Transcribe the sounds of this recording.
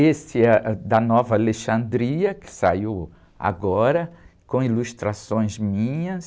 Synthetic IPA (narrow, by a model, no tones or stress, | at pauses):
esɪɛd̪ɐnɔvɐaleʃɐ̃nd̪ɾiɐkɪ̥saiw | a̰ɡɔɾɐkõilust̪ɾasõj̃zmĩɲɐs